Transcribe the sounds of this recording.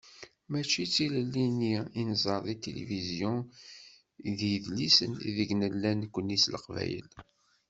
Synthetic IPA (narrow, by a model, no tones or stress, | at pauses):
mæt͡ʃːit͡sːiləlːiniinzˤəɾˤðit̪elḛvizjɔ̃ | ðjðlisəniðəɡnəlːænkʷːənːisləqvæ̰jə̰l